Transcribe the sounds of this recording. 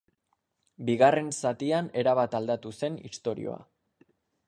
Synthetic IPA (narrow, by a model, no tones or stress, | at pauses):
biɣare̞nsat̪iane̞ɾaβat̪ald̪at̪use̞nḭst̪o̞ɾḭo̞̰a̰